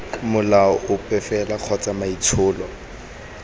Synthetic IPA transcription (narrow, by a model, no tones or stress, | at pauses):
mʊlaɔʔʊpʼɛfɛlaq͡χʰɔt͡sʼamait͡sʰʊːlɔ